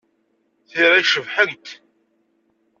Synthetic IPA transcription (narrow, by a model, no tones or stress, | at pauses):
θiɾæʃəvħənt̪